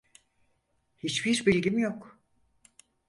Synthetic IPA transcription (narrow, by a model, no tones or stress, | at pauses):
hit͡ʃbiɾbilʲɟimjok